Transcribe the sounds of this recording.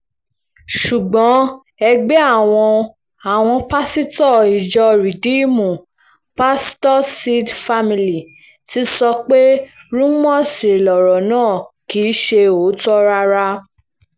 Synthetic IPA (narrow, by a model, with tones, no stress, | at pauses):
ʃu˨ɡ͡bɔ̃˨˦ | ɛ˧ɡ͡be˦a˦˨w̃ɔ̃˧ | a˨w̃ɔ̃˧pa˦si˦tɔ˦˨i˨d͡ʒɔ˧ɾi˨di˨˦mũ˨ | pa˦stɔ˦si˦dfa˦mi˨li˨ | ti˦sɔ˧k͡pe˦ɾũ˦mɔ˦˨si˨lɔ˨ɾɔ˨nãː˦˨ki˨˦ʃe˧o˨˦tɔ˦ɾa˧ɾa˧